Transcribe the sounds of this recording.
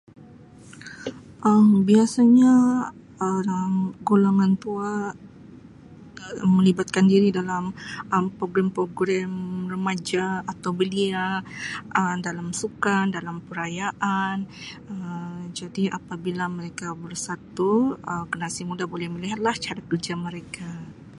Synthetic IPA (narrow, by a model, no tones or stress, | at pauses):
ʔəmbiasaɲa | əamɡulaŋant̪ua | mːəlibat̪̚kandiɾidalamʔəmpɾoɡɾɛmpɾoɡɾɛmrəmad͡ʒaːt̪awbəliaʔədalamsukandalampəɾajaʔanəd͡ʒadiʔapabilaməɾekabərsat̪uəkənasimudabolɛhməliɦat̪̚laht͡ʃaɾakərd͡ʒaməɾeka